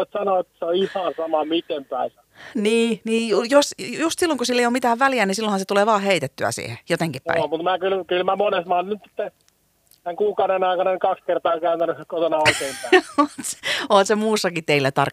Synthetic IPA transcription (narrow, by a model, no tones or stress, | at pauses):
et̪sɑnoet̪ːseoihɑnsɑmɑmit̪empæisɑ | niːniːjujosjust̪silːoŋkusilːeijoːmit̪æːʋʋæliænisilːõhɑnset̪uleːʋɑːheit̪et̪ːyæ̰sḭːhḛjot̪eŋkipæ̰ḭmut̪mæːkylkylmæmonesmæɑonnyt̪si̥t̪ːe | t̪æŋkuːkɑuɾenɑikɑnɑnikɑkskert̪ɑːkæynt̪ænykot̪onɑoikeimpæˑot̪se̥oːt̪semuːsːɑkit̪eilːæt̪ɑ̰rk